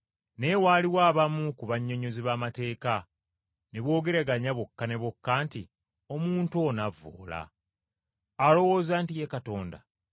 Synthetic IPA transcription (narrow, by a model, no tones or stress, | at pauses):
ne̞waːliwaːβamukuβaɲːo̞ɲo̞ziβaːmate̞ːka | neβwo̞ːɡe̞ɾaɡaɲaβokːane̞βokːaːnti | o̞muːntoːnavːo̰ːla̰ | lo̞wo̞ːzaːntije̞kato̞ːnda̰